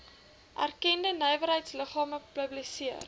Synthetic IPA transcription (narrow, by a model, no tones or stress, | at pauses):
ʔæ̰rkɛndənəjvəɾɦəjtsləχɑːməpəblisiər